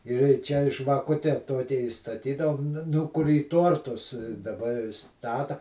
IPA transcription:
ɪr iː ˈt͡ʃʲɛ ʒʋɐˈkʊtʲɛ ˈtoːkʲɛ iːstɐˈtʲiːdɐʋoːm ˈnʊ kʊr iː ˈtoːrtʊs dɐˈbɐ ɪˈstɑːtɐ

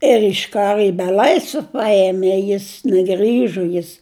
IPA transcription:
ɪr ɪʃ ˈkɑːrʊ ɪ bʲɛˈlˠɐɪsʲʋʲɛ ˈpɐeːmʲeː ˈjɪs nʲɛˈɡrʲiːʒoː ˈjɪs

